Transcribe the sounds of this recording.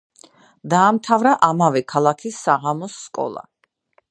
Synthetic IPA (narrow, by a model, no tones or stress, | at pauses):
d̪aːmt̪ʰavɾaʔamavɛkʰalˠakʰisːaʁamɔsːkʼɔ̰lˠa̰